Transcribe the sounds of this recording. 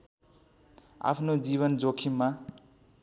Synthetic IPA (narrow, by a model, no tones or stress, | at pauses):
a̰pʰnod͡ziβʌnd͡zokʰimːa